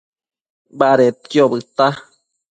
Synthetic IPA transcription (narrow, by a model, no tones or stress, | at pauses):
baɾet̪̚kjobɨt̪a